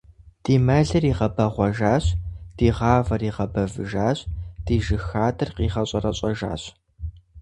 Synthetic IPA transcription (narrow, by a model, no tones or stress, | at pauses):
d̥iːmɐɮɐriːʁɐbɐʁʷɔʒaːɕd̥iːʁɑːvɐriːʁɐbɐvɨʒaːɕd̥iːʒɨxaːdʼɐrqiːʁɐɕʼɐrɐɕʼɐʒa̰ːɕ